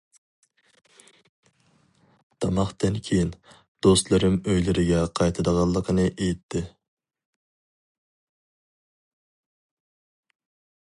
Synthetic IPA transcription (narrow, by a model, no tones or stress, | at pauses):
d̪̥ɑmɑχt̪ɨnkʲʰejin | d̪̥ost̪lˠɨɾɪmøjlɪɾɪɡʲɛqʰɑjt̪ʰɨd̪əʁɑlˠːəqʰənɨʔejit̪ʰːɪ